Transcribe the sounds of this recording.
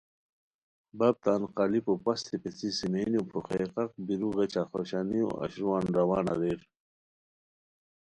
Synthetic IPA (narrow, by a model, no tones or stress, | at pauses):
bab̚t̪aːnqalipopast̪ʰipet͡sisimejnupʰuχeqɑq̚biɾuɣet͡ɕaxoɕanio̰a̰ɕɾuwaːnɾawaːna̰ɾeɾ